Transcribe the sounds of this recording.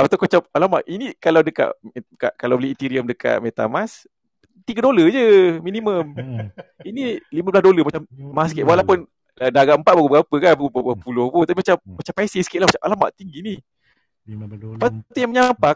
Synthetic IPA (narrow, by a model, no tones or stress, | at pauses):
apat̪akot͡ʃap̚alama̰ʔʔinikalawdəka̰ʔka̰ʔkalawbəliit̪iɾiəmdəka̰ʔmet̪a̰mas | t̪iɡadoləd͡ʒəminiməm | inilimablasdoləmat͡ʃammaskeʔ̪waʔlahpʊn | daɡaʔəmpat̪̚baɡubəɡapəkanbaɡubəbəpulʊhpʊt̪apimat͡ʃammat͡ʃampajsisə̥kiʔ̪lahmat͡ʃamʔalama̰ʔt̪iŋɡini | pat̪ujaŋməɲampa